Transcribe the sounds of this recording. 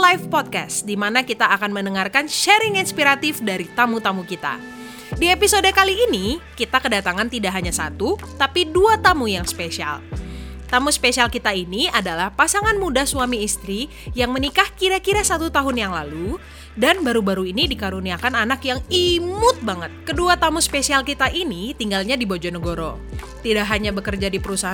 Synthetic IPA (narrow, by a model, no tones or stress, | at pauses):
lajfpɔt̚ka̰sdimanakit̪aːkanmənəŋarkanʃɛɾɪŋinspiɾat̪ɪfdaɾit̪amut̪amukit̪a̰ | diepisodekaliːnikit̪akədat̪aŋant̪idaʔɦaɲasa̰t̪ut̪apiduat̪amujaŋspesia̰lt̪amuspesialkit̪ainiadalahpasaŋanmudasuamiːst̪ɾi | jaŋmənikahkiɾakiɾasat̪ut̪aɦʊnjaŋlalu | danbaɾubaɾuinidikaɾuniakananakjaŋimʊt̪̚baŋət̪̚kəduat̪amuspesialkit̪aʔinit̪iŋɡalɲadibod͡ʒɔnəɡoɾɔ̰ | t̪idaʔɦaɲabəkərd͡ʒadipəɾusaɦ